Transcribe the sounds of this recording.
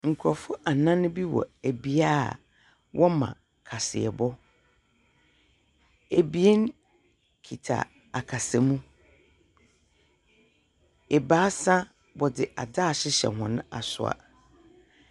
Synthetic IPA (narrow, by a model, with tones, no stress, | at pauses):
ŋ̩˨kʰɔ˨fʊ˦ʔa˨nã˦nʊ̃˦bi˦wɔ̰˨æ˨bi˦a˦˨ | wʔɔ˦mã̰˨ | kʰa˨sɪ̰˨ɛ̰˨bɔ˦ | æ˨bi˦e˦n˦ | kʰi˨tʰa̰˨ | a˨kʰa˨sɛ˨mũ˦ | ɛ˨baː˦sã˦ | bɔ˨dɪ˨ʔa̰˨daː˦˨ɕɪ˦ɕɛ̰˨hʊ̃˨nʊ̃˦a˨sʊ̰˨a̰˨